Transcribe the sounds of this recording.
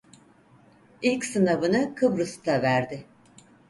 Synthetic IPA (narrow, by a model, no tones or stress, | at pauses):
ilʲcsɯnavɯnɯkʰɯbɾɯst̪ʰavæɾd̪ɪ